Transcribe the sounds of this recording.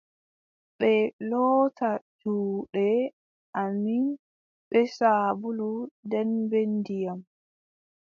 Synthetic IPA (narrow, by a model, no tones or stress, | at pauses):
ɓɛlɔːtʰad͡ʒuːɗɛ | ʔamin | ɓɛsaːbuludɛnbendijam